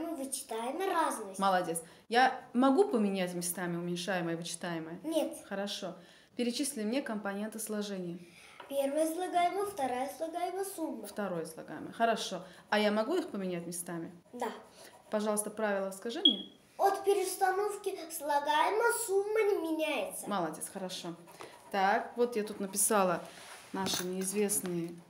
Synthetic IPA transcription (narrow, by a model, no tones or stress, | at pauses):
mɨvɨt͡ɕɪ̥t̪ajɪməraznɨjməlˠɐdʲe̞t̪s | jamɐɡupəmʲɪnʲætʲmʲɪst̪amʲɪʊmʲɪnʲʂajɪməjəvɨt͡ɕɪ̥t̪ajɪməjənʲet̪xəɾɐʂo̞ | pʲɪɾʲɪt͡ɕisʲlʲɪmnʲekəmpɐnʲe̞nt̪ɨslˠɐʐɛnʲɪjə | pʲervəjəslˠɐɡajɪməjəft̪ɐɾajəslˠɐɡajɪməjəsumːəft̪ɐɾo̞jəslˠɐ̰ɡa̰jɪ̰mə̰jəxəɾɐʂo̞ɐjamɐɡuixpəmʲɪnʲætʲmʲɪst̪amʲɪd̪a | pɐʐɑlˠəst̪əpɾavʲɪlˠəskɐʐɨmnʲe | ot̪pʲɪɾʲɪst̪ɐnofkʲɪslˠɐɡajməsumːənʲɪmʲɪnʲæjɪt̪səmalˠɐdʲetsxəɾɐʂo̞ | t̪akvo̞t̪jat̪ut̪nəpʲɪsalˠə | naʂɨnʲɪɪzvʲe̞snɨjə